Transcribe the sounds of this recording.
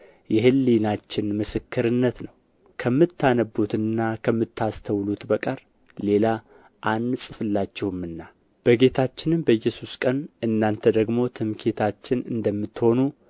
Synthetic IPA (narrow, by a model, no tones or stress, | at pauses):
jɛɦɨlːinat͡ʃːɪnmɨsɨkːɨɾɨnːət̪nəw | kʰəmːɨt̪ʰːanəbːut̪ɨnːakʰəmːɨt̪ːast̪ʰəwlut̪bəkʼəɾ | le̞la | ʔanːsʼɨfɨlːat͡ʃːɛhɨmːɨnːa | b̥əɡe̞t̪ʰat͡ʃːɪnɨmbəjːɛsuskʼənɨnːant̪ʰəd̪əɡmo̞t̪ʰɨmkʰe̞t̪ʰat͡ʃːɪnɨ̰nd̪əmːɨt̪ːho̞nu